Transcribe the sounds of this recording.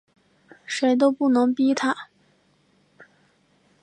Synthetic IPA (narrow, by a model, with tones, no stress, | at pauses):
ʂe˧˥ɪt̪̬o˥ʊpu˥˩nɤ˧˥ŋpi˥t̪ʰa˥˩